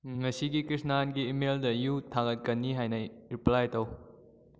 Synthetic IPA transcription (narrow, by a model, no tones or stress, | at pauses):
ŋɐsiɡikɾisnanɡiːmeldɐjutʰaɡɐt̚kɐnːiɦajnɐɾiplajtɐw